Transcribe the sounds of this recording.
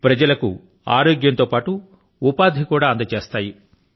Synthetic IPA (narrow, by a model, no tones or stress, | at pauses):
pɾɐd͡ʒɐlɐku | a̰ːɾoːɡjɐnt̪oːpaːʈu | upaːd̪ʱikuːɽaːɐnd̪ɐt͡ʃeːst̪aːji